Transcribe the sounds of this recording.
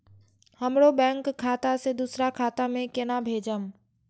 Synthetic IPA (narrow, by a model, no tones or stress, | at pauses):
həmɽobɛ̃ːŋkʰːaːt̪ased̪usɾakʰaːt̪amẽkɪnabʱeːd͡ʒəm